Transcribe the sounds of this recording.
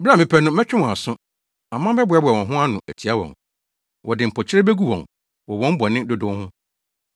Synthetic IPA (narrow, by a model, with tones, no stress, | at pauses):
bã˦˨mɪ̃˨pʰɛ˦nʊ̃˦mɛ˦t͡ɕᶣɪ˦wɔ̃˨a˨sʊ̃˦ | a˨mã˦bɛ˦bʊ˨˦ɛ˦bʊ˨ɛ˨wɔ̃˨ɦʊ̃˦a˦nʊ̃˨ʔæ˨tʰi˨a˦wɔ̰̃˨ŋ | wʔɔ˨dɪ˨m̩˨pʰɔ˨t͡ɕʰɪ˦ɾɛ˦be˦ɡu˦wɔ̰̃˨ŋ | wɔ˨wɔ̃˦m̩˦bɔ˨nɪ̃˦dʊ˦dʊ̃˦hʊ̃˦